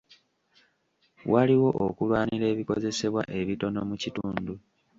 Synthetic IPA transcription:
waliwo̞ʔo̰kulwaːniɾe̞ːβiko̞ze̞se̞βwa̰ʔe̞βito̞no̞mucituːndu

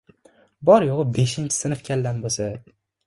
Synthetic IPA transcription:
bɒɾjoʁɨbe̞ʃɪnt͡ʃʰɪ̥sɪnɪfkʲʰald̪anbosa

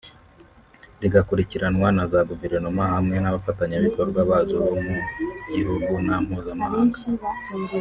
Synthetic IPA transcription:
ɾiɡakuɾiciɾanwanazaɡuveɾonomahamŋe̞naβafataɲaβiko̞ɾɡwaβaːzoβomuɟihuɡunam̥huːzamahaːŋɡa

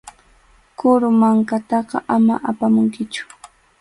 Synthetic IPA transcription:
kʊɾʊmaŋkat̪ɑqɑʔama̰ʔapamʊŋkɪt͡ʃʊ̥

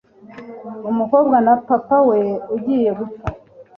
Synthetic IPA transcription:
umuko̞bɡanapapawe̞uɟiːje̞ɡusa

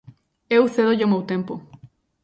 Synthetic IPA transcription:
eust̪eðoʝomowt̪empo

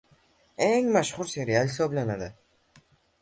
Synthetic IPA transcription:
eŋmaʃhʊɾse̞ɾijahɪsɒblanad̪ɪ

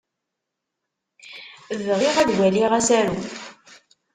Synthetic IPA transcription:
vʁɪʁæðwæliʁæsæɾu

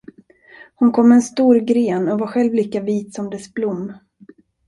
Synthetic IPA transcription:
hʊnkʰɔmːɛnst̪uːɾɡɾeːnɔvaɧɛlvliːkaviːt̪sɔmd̪ɛsblʊmː

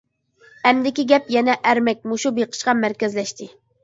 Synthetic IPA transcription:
ɛmd̪ɪkʲiɡʲɛpjɛnɛʔæɾmɛk̚ʲmuʃubeqʰə̥ʃqɑmæɾkʲɛzlɛʃt̪ʰɪ

